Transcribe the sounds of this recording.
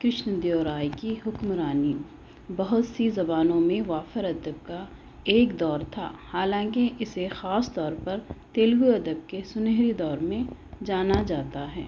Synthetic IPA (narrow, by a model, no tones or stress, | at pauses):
kɾɪʃnd̪joːɾaːjkiɦʊkmɾaːni | bɐɦʊt̪sizɐbaːnõmẽʋaːfəɾɐd̪əb̚ka | eːkd̪ɔːɾt̪ʰa̰ːhaːlãːkeʔɪsexaːst̪ɔːɾpɐɾt̪eːlɡuɐd̪əb̚kesʊneɦɾid̪ɔːɾmẽd͡ʒaːnad͡ʒaːt̪aɦɛ̰ː